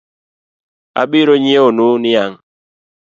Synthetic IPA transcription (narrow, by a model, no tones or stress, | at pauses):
a̰ɓiɾoɲieonuniaŋ